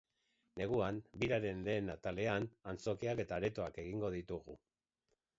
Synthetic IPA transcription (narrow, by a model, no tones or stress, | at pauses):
ne̞ɣ̞uanbiɾaɾe̞nle̞ːnat̪ale̞anant͡so̞kiake̞t̪aɾe̞t̪o̞ake̞ɣiŋɡo̞ð̞it̪uɣ̞u